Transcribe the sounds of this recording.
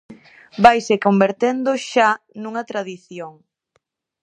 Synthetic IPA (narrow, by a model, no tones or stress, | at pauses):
bajsekombeɾt̪end̪ʊʃa | nuŋɐt̪ɾaðiθjoŋ